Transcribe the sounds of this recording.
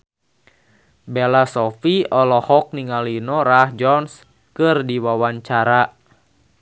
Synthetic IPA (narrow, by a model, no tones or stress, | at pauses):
belasɔfiɔlɔhɔk̚niŋalinɔɾahd͡ʒɔns | kɨrdiwawaɲt͡ʃaɾa